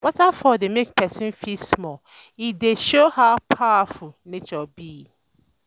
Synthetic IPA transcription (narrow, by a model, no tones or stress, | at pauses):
wɔtafɔdemek̚pʰɛsĩnfismɔl | ideʃohaʊpʰaʊafulnet͡ʃɔbi